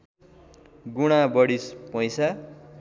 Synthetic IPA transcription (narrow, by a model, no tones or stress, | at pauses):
ɡuɽ̃abʌɽispʌj̃sa